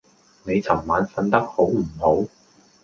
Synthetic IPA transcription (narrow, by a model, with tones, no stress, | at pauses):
ne˨˧jt͡sʰɐ˨˩mːaː˨˥nfɐ˧nt̪ɐ˥k̚ho˨˥wm̩˨˩ho˨˥w